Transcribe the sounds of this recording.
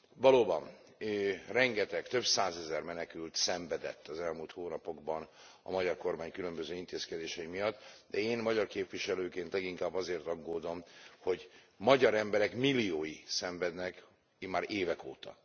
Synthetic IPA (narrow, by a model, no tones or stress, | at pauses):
vɒloːbɒ̰n | ørɛŋɡɛt̪ɛkt̪ø̞bsaːzɛzɛrmɛnɛkylt̪sɛɱvɛd̪ɛ̰t̪ːɒzɛlmuːlt̪hoːnɒpo̞ɡ̚bɒn | ɒ̰mɒɟɒrko̞rmaːɲkylø̞mbøzøːint̪eːskɛd̪eːʃɛimijɒt̪ːd̪̥ɛeːnmɒɟɒrkeːpviʃɛløːkeːnt̪lɛɡiŋkaːbːɒzeːrt̪ɒɡːoːd̪o̞mho̞ɟ | mɒɟɒɾɛmbɛɾɛkmilːijoːjisɛɱvɛd̪nɛk | imaːɾeːvɛkoːt̪ɒ̰